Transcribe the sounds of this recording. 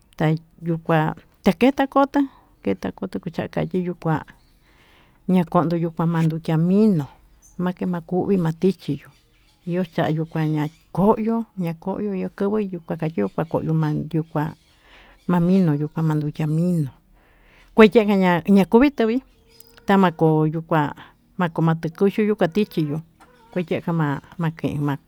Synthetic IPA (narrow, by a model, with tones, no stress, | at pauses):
t̪a˧ | ju˧kʷã˧ | t̪a˧ke˦t̪a˧ko˦t̪a˦ | ke˧t̪a˧ko˧t̪ɨ˧ku˧t͡ʃa˧ʔa̰˧ka̰˨t̪ʲi˦ju˧kʷã̰˧ | ɲã˧ko˧˨nd̪o˧ju˧kʷã˧mã˧nd̪u˧t̪ʲa˧mĩ˦nõ˨ | mã˦ke˧mã˧ku˧˦ʔβi˦mã˧t̪i˦t͡ʃi˧jo˨ | i˧jo˦t͡ʃa˧ʔa˧ju˧kʷã˧ɲã˧ | ko˦ʔjo˦ɲã˧ko˦ʔjo˧i˧jo˧kɨ˦βɨ˦˧ju˧kʷã˧ka˧t͡ʃi˦ju˧kʷã˧ko̰˨ʔjo˧mã˧ju˧kʷã̰˧ | mã˧mĩ˦nõ˨ju˧kʷã˧mã˧nd̪u˧tʲa˧mĩ˦nõ˨ | kʷe˦je˦˧kã˧ɲã˧ɲã˧ku˦βi˦t̪ɨ˧βi˦ | t̪a˦mã˧ko˨˧˨ju˧kʷã̰˧ | mã˧ko˧mã˧t̪ɨ˧ku˦ʃu˦ju˦kʷã˧t̪i˦t͡ʃi˧jo˧ | kʷe˧˦tʲe˦˧ka˧mã˧mã˧kẽ˨ʔḛ˧mã˧